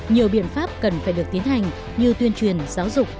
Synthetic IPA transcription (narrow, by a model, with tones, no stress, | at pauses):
ɲi˨˩əwɓḭ˧˨ənfaː˦˥p̚kə˨˩nfaː˧˩jɗɨ˨˩ək̚t̪i˨˦ənhɦa˨˩jŋ̟ | ɲɨ˧t̪wi˧ənt͡ɕwi˨˩ənzaː˨˦wzʊ˨˩k͡p̚